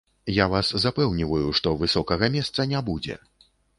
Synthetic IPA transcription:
javaszapɛwnʲivɐjuʂt̪ɔvɨsɔkɐɣɐmʲɛst̪sɐnʲabud͡zʲɛ̰

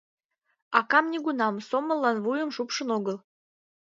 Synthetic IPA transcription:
ɑkɑmnʲiɡunɑmsomə̆lːɑnvujə̆mʃupʃə̆noɡəlˠ

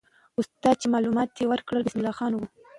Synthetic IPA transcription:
ust̪ɑt͡ʃemɑlumɑt̪̚ːewəɾkɽəlbɪsmɪlːɑxɑnwu

